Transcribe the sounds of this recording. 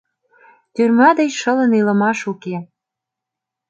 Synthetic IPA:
t̪yrmɑd̪ə̆jʃələ̆nilə̆mɑʃuke

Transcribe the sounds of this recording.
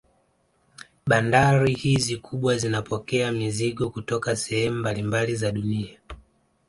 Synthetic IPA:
ɓandaɾihizikʰuɓwazinapɔkɛamiziɠɔkutɔkasɛhɛmumbalimbalizaɗunia

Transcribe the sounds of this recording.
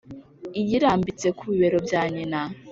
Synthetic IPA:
ijiɾaːmbit͡se̞kʰuβiβe̞ɾo̞bjaːɲina

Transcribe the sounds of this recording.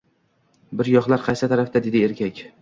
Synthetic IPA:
bɪɾjɒχlˠaɾqʰɑjsɪt̪ʰaɾafd̪ad̪e̞d̪ɪe̞ɾkʲʰakʲ

